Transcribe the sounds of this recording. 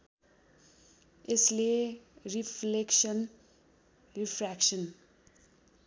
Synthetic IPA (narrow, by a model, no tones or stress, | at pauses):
esleripʰlekʃʌn | ripʰɾakʃʌn